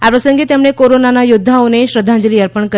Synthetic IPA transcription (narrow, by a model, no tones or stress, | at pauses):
apɾəsəŋɡet̪emɽ̃ekoɾonanajud̪ʱːaoneɕɾəd̪ʱːãnd͡ʒəliəɾpəɳkə